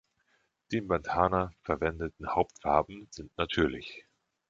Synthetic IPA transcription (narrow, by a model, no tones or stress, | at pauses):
d̥eːmbantʰaːnɐfɛɐvɛndətn̩haʊp̚tfaɐbm̩z̥ɪntnatʰyːɐlɪ̰ç